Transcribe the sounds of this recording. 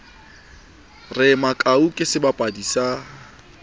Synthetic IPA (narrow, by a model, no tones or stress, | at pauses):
rɪmakʼaukʼɪsɪbapʼadisa